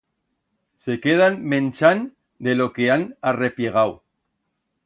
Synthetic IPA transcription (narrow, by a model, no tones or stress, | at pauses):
se̞keð̞anmẽnt͡ʃan | d̪elokeanarepjeɣ̞aw